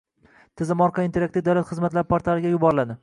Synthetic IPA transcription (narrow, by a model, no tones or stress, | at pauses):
t̪ʰɪzɪmɒɾqʰɑint̪ʰe̞ɾakt̪ɪd̪awlat̪χɨzmat̪laɾpʰaɾt̪ʰalˠɪɡʲajʊbɒɾɪlad̪ɪ